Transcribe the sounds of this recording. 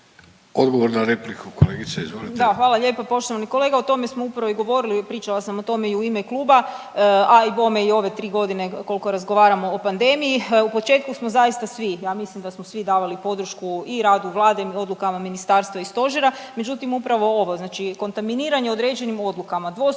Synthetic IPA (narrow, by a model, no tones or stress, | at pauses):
od̪ɡoʋoɾnaɾeplikuko̰leɡit̪seizʋolid̪axʋaːlˠaʎe̞ːpapo̞ʃt̪oʋaniko̞le̞ɡao̞t̪o̞mesmoupɾaʋoiɡo̞ʋo̞ɾilipɾiːt͡ʃalasamo̞t̪o̞me̞iuime̞klˠuːba | ajbo̞meio̞ʋe̞t̪ɾiːɡo̞d̪ine̞ko̞lˠiko̞ɾazɡo̞ʋaːɾamo̞opand̪emijiupo̞t͡ʃe̞ːt̪kusmozajist̪asʋijaːmislimd̪asmosʋid̪aːʋalipo̞d̪ɾ̩ʃkuiɾaːd̪uʋlˠaːd̪eo̞d̪lukamaminist̪aːɾst̪ʋaist̪o̞ʒeɾame̞d͡ʒut̪imupɾaʋo̞o̞ʋo̞znaːt͡ʃiko̞nt̪aminiːɾaɲe̞o̞d̪ɾe̞d͡ʑe̞nimo̞d̪lukamad̪ʋo